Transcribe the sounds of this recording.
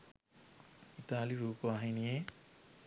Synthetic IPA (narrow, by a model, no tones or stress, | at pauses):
it̪aːliɾuːpoaɦinije